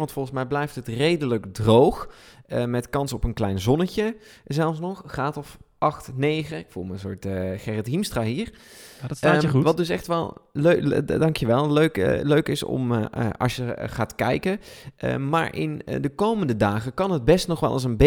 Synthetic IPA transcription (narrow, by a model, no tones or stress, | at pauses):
ʋɑntfɔlˠχənsmɛjblɛjftɦətrejdələɡdrowχəmɛtkɑnsɔpənklɛjnzɔnəcə | zɛlˠfs̬nɔχːaːtɔfʔɑχtnejχəɪkfulˠməənsʊːtχɛrətimstraːɦiːɹ | ʋɑtdɵs̬ɛ̰χtʋɛlˠlødɑŋkjəʋɛlˠløɥkløɥkɪsɔ̰mɑ̰ʃjəχaːtkɛ̰jkəʔə̰ma̰ːɹʔɪ̰ndəkowməndədaːχəkɑnɦəd̚bɛstnɔχʋɛ̰lˠʔɑ̰s̬ənbe